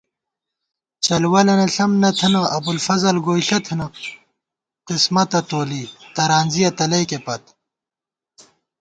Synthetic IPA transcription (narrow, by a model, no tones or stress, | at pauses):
t͡ɕɐlwɐlɐnɐɬɐmnɐt̪ʰɐnɐʔɐbulfɐzɐlɡoːjɬɐt̪ʰɐnɐ | qismɐt̪ɐt̪oːlit̪ɐɾaːnzijɐt̪ɐlɐjkepɐt̪